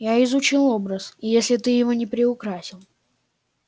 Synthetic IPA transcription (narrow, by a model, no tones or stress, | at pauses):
jaɪzʊt͡ɕilˠo̞bɾəsɪjesʲlʲɪt̪ɨjɪvonʲɪpɾʲɪʊkɾasʲɪlˠ